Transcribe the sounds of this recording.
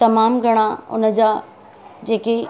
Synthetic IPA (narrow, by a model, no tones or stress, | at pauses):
t̪ɐmaːmɡʱɐɽ̃ãʊ̰nə̆d͡ʑaː | d͡ʑeːke